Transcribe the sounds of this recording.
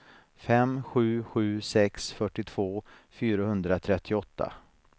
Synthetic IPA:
fɛmɧʉ̟ːɧʉ̟ːsɛksfœʈːɪt̪ʰv̥oː | fyːɾahɵnd̪ɾat̪ʰɾɛt̪ʰːɪɔt̪ʰːa̰

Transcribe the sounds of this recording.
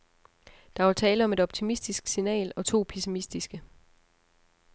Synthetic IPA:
d̥ɑ̈ʋɑt͡sʰɛːləɒ̽me̝ɾ̥ɒ̽b̥̚t͡sʰimisd̥isɡ̥sinɛ̰ːlɒ̽t͡sʰo̝̰ːpʰisimisd̥isɡ̥ə

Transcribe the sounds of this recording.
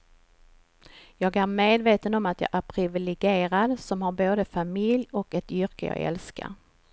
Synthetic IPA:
jɑːɡæɾmeːd̪veːt̪ənɔmat̪jɑ̰ːʔæɾpʰɾɪvɪlɛɡeːɾad̪sɔmhaɾboːd̪əfamɪljɔkɛt̪ʏɾkəjɑ̰ːɡɛ̰lska̰ɾ

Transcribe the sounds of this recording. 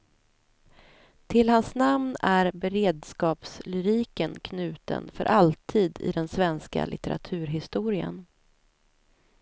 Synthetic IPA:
t̪ʰɪlhansnamnæɾbɛɾeːd̪skɑːpslʏɾiːkənkʰnʉ̟ːt̪ə̰nfœ̰ɾʔalt̪ʰiːd̪ɪ̰d̪ɛnsvɛnska̰lʔɪt̪ɛɾa̰t̪ʰʉ̟ːɾɦɪst̪uːɾɪə̰n

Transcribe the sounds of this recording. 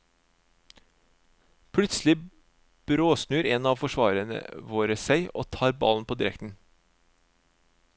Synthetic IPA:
pʰlʉt̪slɪ | b̥ɾoːsnʉːɾeːnɑːʋfɔʃʋɑːɾənə̰ʋoːɾəsæɪʔo̰ːt̪ʰɑːɾbɑ̰ln̩pʰoːd̪ɪɾɛ̰kt̪n̩

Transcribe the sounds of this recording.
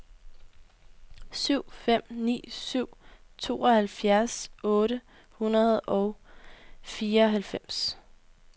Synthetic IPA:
syʊ̰fem̰nḭːsyʊ̰t͡sʰo̝ːɒ̽hælfjæɐsɔ̽ːɾə | hunɐð̞̩ˠɒʊ | fiːɐɒɦælfem̰s

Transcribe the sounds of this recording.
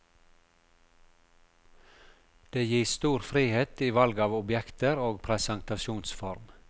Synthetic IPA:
d̪̥eːjiːst̪uːɾfɾiːheːt̪iːʋɑlɡɑːʋʊbjɛkt̪əɾoːɡpʰɾɛsæŋt̪ɑʃuːnsfɔɾm

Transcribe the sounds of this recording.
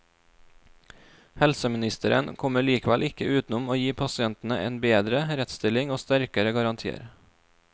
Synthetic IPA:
hɛlsəmɪnɪst̪əɾə̰nkʰɔməɭiːkʋælʔɪkəʉːt̪n̩ʊmoːjiːpʰɑsɪɛnt̪n̩ə̰ʔḛːnbeːd̪ɾəɾɛt̪st̪ɪlɪŋoːst̪æɾkəɾəɡɑɾɑnt̪ʰiːə̰ɾ

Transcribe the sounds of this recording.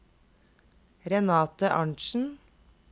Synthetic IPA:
ɾɛnɑːt̪əʔɑɳʃn̩

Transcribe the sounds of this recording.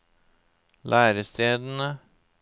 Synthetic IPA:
lʔæːɾəst̪eːd̪n̩ə

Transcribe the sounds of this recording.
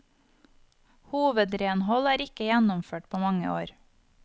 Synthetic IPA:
huːʋəd̪ɾeːnhɔlæːɾɪkəjænɔmføːʈ̚pʰoːmɑŋə̰ʔo̰ːɾ

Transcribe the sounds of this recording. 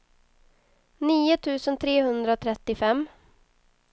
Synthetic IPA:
niːʊt̪ʰʉ̟ːsənt̪ʰɾeːhɵnd̪ɾaot̪ʰɾɛt̪ːɪfɛmː

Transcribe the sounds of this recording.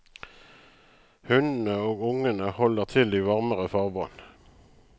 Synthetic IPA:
hʉnn̩əoːɡʊŋənəhɔləʁt̪ʰɪld̪iːʋɑʁməʁəfɑːʁbɑ̰ːn

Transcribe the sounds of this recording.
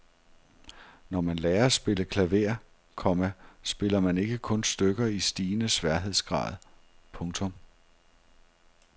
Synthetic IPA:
nɒmænlɛːɐsb̥e̝ləkʰlæʋe̝ɐ̰ | kʰɒ̽mæsb̥e̝lɐmæne̝ɡ̥əkʰɔ̽nsd̥øɡ̥ɐisd̥iːnəsʋæɐ̰ɦe̝ð̞̰ˠsɡ̥ʁɑ̰̈ːð̩ˠ | pʰɔ̽ŋt͡sʰɔ̽m

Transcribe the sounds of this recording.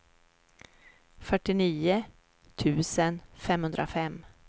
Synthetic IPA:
fœʈːɪniːə | t̪ʰʉ̟ːsənfɛmhɵnd̪ɾa̰fɛm

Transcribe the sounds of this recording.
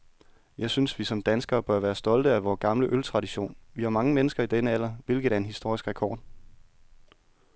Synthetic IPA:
jɑ̈ɪsynsʋisɒ̽md̥ænsɡ̥ɐːb̥ɶɐʋæːɐsd̥ɒ̽ld̥əæʋɒːɡ̥ɑ̈mləʔølt͡sʰʁɑ̈ɾiɕo̝̰ːnʋihɑ̈mɑ̈ŋəmenəsɡ̥ɐid̥enəæl̰ɐʋe̝lɡ̥ð̩ˠæɐe̝nhisd̥o̝ɐ̰isɡ̥ʁɛkʰɒ̰ːd̥

